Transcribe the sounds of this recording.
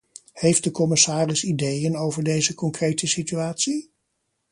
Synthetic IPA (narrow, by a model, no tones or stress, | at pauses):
hejft̚dəkɔmɪsaːrɪsidejənowvəɹdejzəkɔŋkrejtəsityaːtsi